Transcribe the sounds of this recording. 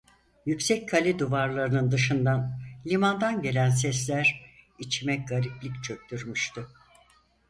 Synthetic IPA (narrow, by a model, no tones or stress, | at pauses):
jycsɛc̚kʰalʲid̪uvaɾlˠaɾɯnɯnd̪ɯʃɯnd̪anlʲimand̪anɟe̞lʲænsɛslʲæɾit͡ʃʰimɛc̚ɡaɾiplʲict͡ʃʰø̞k̚t̪ʰyɾmyʃt̪ʊ